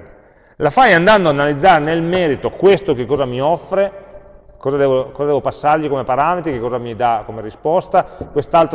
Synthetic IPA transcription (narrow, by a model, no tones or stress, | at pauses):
lafajand̪and̪oaːnalid̪zːaːɾenelmɛːɾit̪okwest̪ok̟ekːɔːzamiɔfːɾe | kɔːzad̪ɛːvokɔːzdɛːvopasːaɾʎikomepaɾaːmet̪ɾikekːɔːzamid̪akomeɾispɔst̪akwest̪alt̪